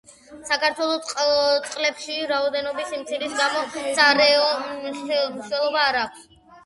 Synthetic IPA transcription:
sakaɾt̪ʰwɛlˠɔt̪sʼqʼlɛpʃiɾaɔd̪ɛnɔbisimt̪sʰiɾisɡamɔsaɾɛɔ | mɾiʃwɛlˠɔbaːɾaːkʷʰs

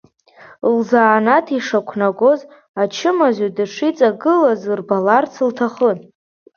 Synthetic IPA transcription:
lzaːnatʰiʂakʷʰnaɡʷo̞z | at͡ʃʰɪmazadɨʂit͡sʼaɡɨlazɨrbalart͡sʰɨltʰaχən

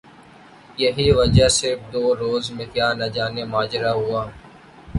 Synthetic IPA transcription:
jɐɦiʋɐd͡ʒasɪɾfd̪oːɾoːzmɪt̪jaːnad͡ʒaːnemaːd͡ʒɾaɦʊaː

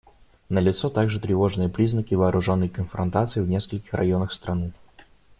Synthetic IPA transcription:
nəlʲɪt̪sot̪aɡʐɨt̪ɾʲɪvo̞ʐnɨjəpɾʲiznəkʲɪvɐːɾʔʊʐo̞nːəjkənfɾɐ̰nt̪at̪sɨɪvnʲe̞skəlʲkʲɪ̥xrʔɐ̰jo̞nəxst̪ɾɐnɨ

